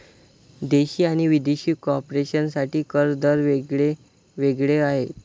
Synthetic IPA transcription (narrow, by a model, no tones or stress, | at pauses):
d̪eɕiːaɽ̃iʋid̪eɕiːkoɔpɾeɕənsaʈiːkəɾd̪əɾʋeɡɭe | ʋeɡɭeaɦet̪